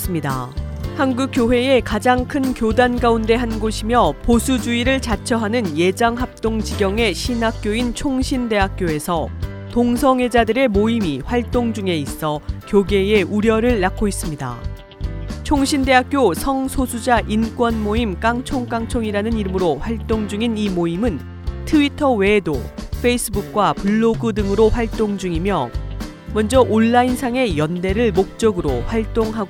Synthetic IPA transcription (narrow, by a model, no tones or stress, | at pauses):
s͈ɯmɲida̰hanɡuk͈joɸwe̞e̞kad͡ʑaŋkʰɯnkjodanɡaunde̞ɦanɡoɕʰimjʌposʰud͡ʑuiɾɯɭt͡ɕat͡ɕʰʌɦanɯnje̞d͡ʑaŋɦap̚t͈oŋd͡ʑiɡjʌŋe̞ɕʰinɦak̚k͈joint͡ɕʰoŋɕʰinde̞ɦak̚k͈joe̞sʰʌ | toŋsʰʌŋe̞d͡ʑadɯɾe̞moimiɸwaɭt͈oŋd͡ʑuŋe̞is͈ʌkjoɡe̞e̞ʔuɾjʌɾɯɭːakʰois͈ɯmɲida̰ | t͡ɕʰoŋɕʰinde̞ɦak̚k͈josʰʌŋsʰosʰud͡ʑaʔink͈wʌnmoimk͈aŋt͡ɕʰoŋk͈aŋt͡ɕʰoŋiɾanɯniɾɯmɯɾoɸwaɭt͈oŋd͡ʑuŋinimoimɯn | tʰɯitʰʌwe̞do̰pʰe̞is͈ʰɯbuk̚k͈wapuɭːoɡɯdɯŋɯɾoɸwaɭt͈oŋd͡ʑuŋimjʌ | mʌnd͡ʑʌʔoɭːainsʰaŋe̞jʌnde̞ɾɯɭmok̚t͡ɕ͈ʌɡɯɾoɸwaɭt͈oŋɦaɡo